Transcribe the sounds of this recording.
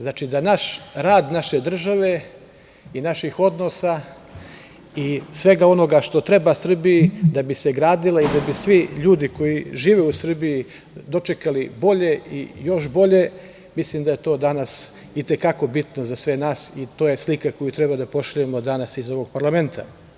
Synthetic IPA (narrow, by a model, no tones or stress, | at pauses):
znaːt͡ʃid̪anaʃɾaːd̪naʃe̞d̪r̩ʒaʋe̞ | inaʃixo̞d̪no̞sa | isʋe̞ɡao̞no̞ɡaʃt̪o̞t̪ɾe̞basr̩bijid̪abise̞ɡɾaːd̪ilaid̪abisʋiʎuːd̪iko̞jiʒiːʋeusr̩biji | d̪o̞t͡ʃe̞kalibo̞ʎe̞ijo̞ʃbo̞ʎe̞ | mislimd̪aje̞t̪o̞ːd̪anas | it̪e̞kako̞bit̪nozasʋe̞naːsit̪oːje̞slikako̞jut̪ɾebad̪apo̞ʃʎujemo̞d̪anasizo̞ʋo̞ɡ̚paɾlˠame̞nt̪ʰa̰